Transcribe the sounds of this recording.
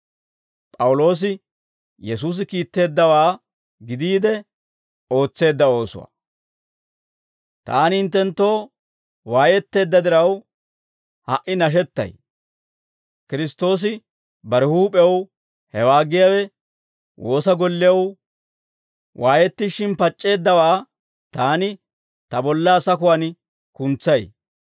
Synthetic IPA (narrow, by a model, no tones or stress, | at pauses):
pʼɐwʊlo̞ːs̬ɪ | jɛsuːs̬ɪkiːt̪ːe̞ːd̪ːɐwaː | ɡɪd̪iːd̪ɛ | o̞ːt͡sːe̞ːd̪ːɐo̞ːsʊ̰wa̰ | t̪aːnhɪnt̪ːɛnt̪ːo̞ː | waːjɛt̪ːe̞ːd̪ːɐd̪ɪɾɐw | hɐʔɪnɐʃ̬ɛt̪ːɐ̰j | kɪɾɪst̪o̞ːs̬ɪ | bɐɾɛhuːpʼɛw | hɛwaːɡɪjaːwɛ | wʔo̞ːsɐɡɔlːɪjɐw | wʔaːjɛt̪ːɪʃɪnpɐt͡ʃʼːe̞ːd̪ːɐwaː | t̪aːnɪ | t̪ɐbɔlːaːsɐkʊwɐn | kʊnt͡sːɐj